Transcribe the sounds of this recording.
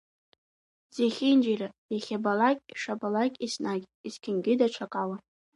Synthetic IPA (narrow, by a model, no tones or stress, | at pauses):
zeχʲind͡ʒirajaχʲabalakʲʼiʂabalakʲʼisnakʲʼiskʲʰɪnɡʲɪdat͡ʃʷʰakʼawa